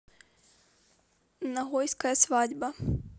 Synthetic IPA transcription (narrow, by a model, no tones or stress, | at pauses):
nɐɣɔjskɐjɐsvadʲbɐ